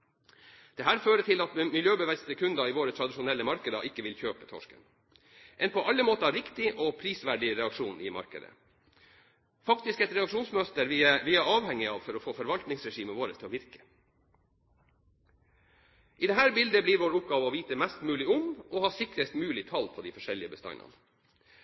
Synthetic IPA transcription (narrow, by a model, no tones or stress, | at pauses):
d̪̥ɛɦæːɾføːɾət̪ʰɪlɑt̪mɪljøːbəʋæst̪əkʰʉnd̪ɑiːʋoːɾət̪ʰɾɑd̪ɪʃʊnɛlːəmɑɾkəd̪ɑ̰ʔɪkːəʋɪlçøːpət̪ʰɔ̰ʂkə̰n | ʔɛnpʰɔʔɑlːəmoːt̪əɑːɾɪkt̪ɪʔɔpʰɾiːsʋæɖɪɾɛɑkʂuːnɪ̰mɑ̰ɾkə̰d̪ə̰ | fɑkt̪ɪskɛt̪ɾɛɑkʂuːnsmœst̪əɾʋɪʋɪæɾɑːʋhɛŋːɪɑːʋfɔɾɔfoːfɔɾʋɑlt̪nɪŋsɾɛʂiːməʋoːɾəst̪ʰɪɔʋɪɾkə̥ | ʔiːd̪ɛɦæːɾbɪld̪əbliːɾʋoːɾʊp̚ɡɑːʋəɔʋiːt̪əmɛst̪mʉːlɪʊmɔhɑːsɪkɾəst̪mʉːlɪt̪ʰɑlpʰɔd̪iːfɔʂɛlɪəbəst̪ɑ̰ɪnɑ̰n